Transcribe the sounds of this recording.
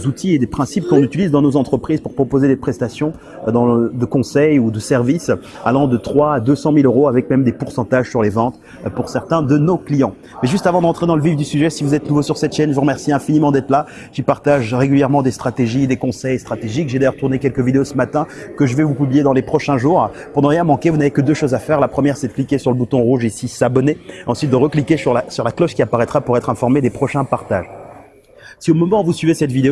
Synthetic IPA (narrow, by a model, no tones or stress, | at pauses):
zut̪ʰied̪epχɛ̃sip̚kɔ̃nyt̪ilizd̪ɑ̃nozɑ̃t̪χəpχizpuʁpχɔpozed̪epχɛst̪asjɔ̃ | d̪ɑ̃d̪əkɔ̃sɛjud̪əsɛʁvis | alɑ̃d̪ət̪χwaːd̪øsɑ̃miløʁoavɛkmɛmd̪epuʁsɑ̃t̪aʒsyʁlevɑ̃t̪ | puʁsɛʁt̪ɛ̃d̪ənoklijɑ̃ | mɛʒyst̪avɑ̃d̪ɑ̃t̪χed̪ɑ̃ləvivd̪ysyʒɛsivuzɛt̪nuvosyʁsɛt̪ʃɛnʒəvuʁəmɛʁsiɛ̃finimɑ̃d̪ɛt̪χla | ʒ̥ipaʁt̪aʒʁeɡʲyljɛʁmɑ̃d̪est̪χat̪eʒid̪ekɔ̃sɛjst̪χat̪eʒikʒed̪ajœʁt̪uʁnekʲɛlkəvid̪eosəmat̪ɛ̃kəʒəvɛvupyblijed̪ɑ̃lepχɔʃɛ̃ʒuːʁ | pɔ̃d̪ɑ̃ʁjɛ̃mɑ̃kʲevunavekəd̪øʃozafɛʁlapχəmjɛʁsɛd̪ə̥klikʲesyʁləbut̪ɔ̃ʁuʒesisabɔneɑ̃sɥit̪̚d̪əʁəklikʲesyʁlasyʁlaklɔʃkʲiapaʁɛt̪χapuʁɛt̪χɛ̃fɔʁmed̪epχɔʃɛ̃paʁt̪a̰ʒ | siomɔmɑ̃vusɥivesɛt̪vid̪eo